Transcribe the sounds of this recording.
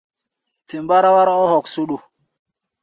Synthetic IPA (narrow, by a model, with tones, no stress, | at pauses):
ti˨mba˦ɾa˦wa˦ɾɔ˦hɔ˨ksu˦ɗu˨